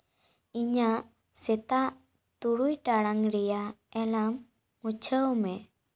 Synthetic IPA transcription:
iɲaʔ | sɛt̪aʔ | t̪uɽujʈaɽaŋɾɛjaɛlamː | ut͡ʃʰəwmɛ

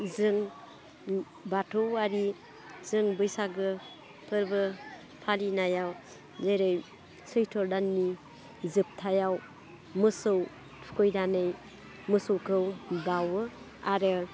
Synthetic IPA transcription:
zɯŋ | batʰɯwaɾi | zɯŋbɯjsaɡɯ | pʰɯɾbɯ | pʰalinajaw | zajɾɯj | sɯjtʰɔɾdanːi | zɯp̚tʰajaw | mɯsɯw | tʰu̥kʰɔjdanɯj | mɯsowkʰɯwbawɯ | aɾɯ

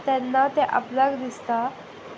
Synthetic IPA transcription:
t̪ɛnːat̪eʔə̰pləɡd̪ist̪a

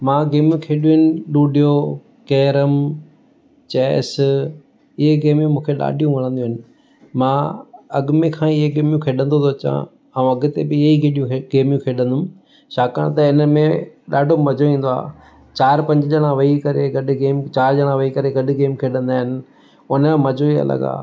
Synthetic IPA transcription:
mãːɡeːmjũkʰeːɗijɦɪnɪ̆ɗuːɖʱijo | kɛːɾəm | t͡ɕɛːs | ɪɦeɡeːmjũmũːkʰeɗa̰ːɖʱijũʋɐɽ̃ə̃nd̪ij̃ɦɪnɪ̆ | mãːɐɡmẽkʰãːɪɦeɡeːmjũkʰeːɗə̃nd̪ot̪oːt͡ɕã̰ | aːũɐɡʊ̆t̪ebɪɪeiɡeɗijũeɡeːmjũkʰeːɗə̃nd̪ʊm | ʃaːkã̰ɽ̃t̪ɐɪnəmẽɗaːɖʱommɐd͡ʑoʋĩːnd̪oa̰ː | t͡ɕaːɾpɐ̃ɲd͡ʑɪʄɐɽ̃ãʋɐikɐɾeɡɐɗ̆ɡeːmt͡ɕaːɾʄɐɽ̃ãʋɐikɐɾeɡɐɗʊɡeːmkʰeːɗə̃nd̪aːɦɪnɪ̆ | ʊnãmɐd͡ʑʱoiɐ̰lə̰ɡa̰ː

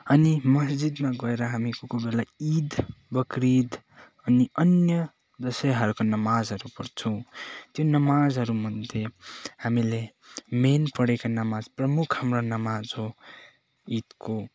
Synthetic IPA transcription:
ʌnimʌsd͡zid̪maɡʌeɾʌɦamikokobelaid̪bʌkɾid̪ | ʌniʌnjʌ | d̪ʌsʌjɦʌɾkonʌmad͡zɦʌɾupʌrt͡sʰʌ̃t̪jonʌmad͡zɦʌɾumʌnd̪ʱehamile | menpʌɽekanʌmad͡zprʌmukʰhamronʌmad͡zɦo | id̪ko

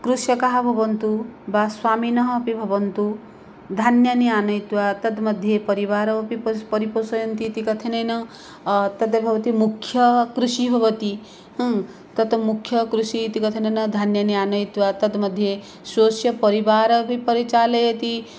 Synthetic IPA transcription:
kɾusjɐkaɦabʱɐbɐnt̪ubaswaːminɐɦɐpibʱɐʋɐnt̪u | d̪ʱanjɐniaːnɐjt̪uʋat̪ɐt̪mɐd̪ʱjepɐɾiʋaːɾɐpippɐɾiposɐjɐnt̪it̪ikɐt̪ʰenenɐ | t̪ɐt̪ebʱɐʋɐt̪imukʰːjɐkɾuʃibʱɐʋɐt̪i | ɦɐ̃ | t̪ɐt̪mukʰjɐkɾuʃit̪ikɐt̪ʰenɐnɐd̪ʱanjɐniaːnɐjt̪uʋat̪ɐd̪mɐd̪ʱːje | soːsjɐpɐɾibaːɾbipɐɾit͡ʃaːlejet̪i

